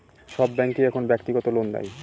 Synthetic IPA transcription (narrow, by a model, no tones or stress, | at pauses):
ʃɔbːɛŋkiɛkʰonbɛkt̪iɡɔt̪olond̪a̰j